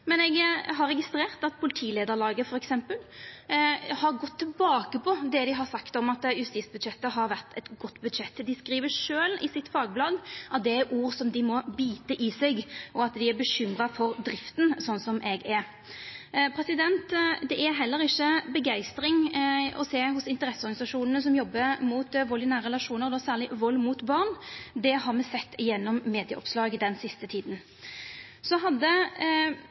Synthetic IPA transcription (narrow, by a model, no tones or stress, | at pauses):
mɛnɛɡɦɑɾːɛɡɪst̪ɾeːʁt̪ɑt̪̚pʰʊlɪt̪ʰiːleːd̪əɾlɑːɡəfɔɾɛksɛmpəl | hɑɾɡɔt̪ʰːɪlbɑːkəpʰɔd̪ɛd̪ɪɦɑɾsɑkt̪ɔmɑt̪jʉst̪iːsbʉd̪ʃɛt̪ːəɦɑɾʋæʁt̪ʰɛt̪ɡɔt̪ːbʉd̪ʃɛt̪ːd̪ɪskɾiːʋəʂøːlɪsɪt̪fɑːɡblɑd̪ɑt̪̚d̪ɛæuːɾsɔmd̪ɪmɔbiːt̪əʔɪsɛɡʔɔɑt̪d̪ɪæɾbəɕʏmɾɑfɔɾd̪ɾɪft̪nsɔnːsɔmʔɛɡɛɾ | pʰɾɛsɪd̪ɛnt̪d̪ɛʔæɦɛlːəɾɪçːəbəɡæɪst̪ɾɪŋɔ̰seːɦʊsɪnt̪əɾɛsːɔɾɡɑnɪsɑʂuːnənəs̬ɔmjɔbːəmuːt̪ʋɔlːɪnæːɾəɛlɑʂuːnəʁd̪ɔːsæːʁlɪʋɔlːmut̪bɑʁnd̪ɛɦɑɾʁmɛsɛt̪ːɪjɛnːɔmːeːd̪ɪjəʔɔ̰pslɑːɡd̪ɛnsɪst̪ət̪ʰiːd̪n̩ | sɔɦɑd̪ːə